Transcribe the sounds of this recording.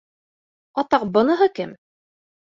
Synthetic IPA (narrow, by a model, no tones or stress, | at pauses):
ɒt̪ɑq̚bɤ̆nɤ̆ɦɤkɘm